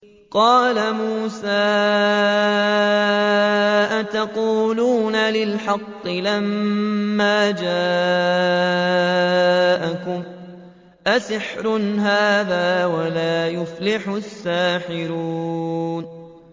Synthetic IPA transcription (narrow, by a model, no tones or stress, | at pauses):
qɑːlamuːsaː | ʔat̪ɑquːluːnalɪlħɑqːɨlamː | aːd͡ʒaː | ʔakʊm | ʔasɪħɾʊnɦaːðaːwalaːjʊflɪħʊsːaːħɪɾuːn